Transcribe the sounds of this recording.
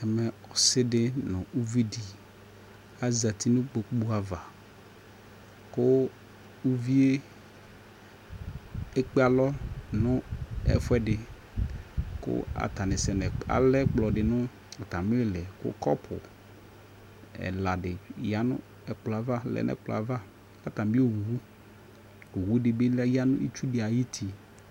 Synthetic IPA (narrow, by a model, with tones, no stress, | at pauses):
ɛ˨mɛ˨ɔ˨sɪ˦dɪ˦nʊ̃˨u˦vi˦di˨ | a˦za˨t̪ʰi˦nʊ̃˦k͡po˨k͡pu˦a˨va˨ | kʊ˦ | u˦vi˦e˦ | e˦k͡pe˦a˨lɔ˦nʊ̃˦ɛ̰˦fɛ˦dɪ˨ | kʊ̰˦a̰˨t̪a˨nɪ˨sɛ˨nɛ˨a̰˨lɛ˦k͡plɔ˨dɪ˨nʊ̃˦ | a˨t̪a˨mɪ˦lɪ˦lɛ˨kʊ̰˦kɔ˦pʰʊ̰˨ | ɛ̰˨la˨dɪ˨ja˦nʊ̰̃˦ | ɛ˨k͡plɔ˨a˨va˦lɛ̰˨nʔɛ̰˨k͡plɔ̰˨a˨va˦ | a˨t̪a˨mbi˦o˦˨wu˨wu˦ | u˨wu˦dɪ˨be˦lja˦nʊ̰̃˦ḭ˦t͡ʃu˦dɪ˨a˨ji˦tʰi˨